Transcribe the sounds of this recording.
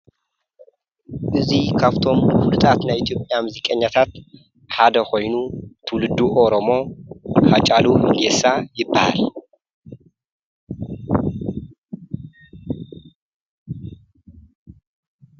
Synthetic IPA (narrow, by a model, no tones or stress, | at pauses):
ʔɨzikʰaβt̪ʰo̞mfulut̪ʼat̪najit̪ʰjopʼjamɨzikʼɐɲːat̪ʰat̪ | ħad̪ɐxʰo̞jnut̪ʰɨwlɨd̪ːuʔoɾomo̞hat͡ʃʼaluɨlesajɪbːaha̰l